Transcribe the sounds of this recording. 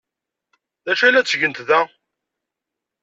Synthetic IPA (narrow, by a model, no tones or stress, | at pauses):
ðæʃælæt͡sːʝənt̪ðæ